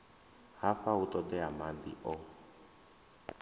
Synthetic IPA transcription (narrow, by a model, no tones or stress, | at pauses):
haɸaut̪ʼɔd̪ɛamad̪ḭʔɔ